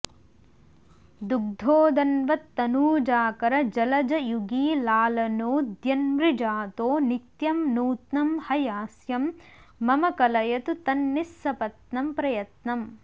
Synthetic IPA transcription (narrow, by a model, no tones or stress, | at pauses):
d̪uɡ̚d̪ʱoːd̪ɐnʋɐt̪ːɐnuːd͡ʒaːkɐɾɐd͡ʒɐlɐd͡ʒɐjuɡiːlaːlɐnoːd̪jɐnmɾid͡ʒaːt̪oːnit̪jɐmnuːt̪nɐmhɐjaːsjɐmː | ɐmɐkɐlɐjɐt̪ut̪ɐnːisːɐpɐt̪nɐmpɾɐjɐt̪nɐm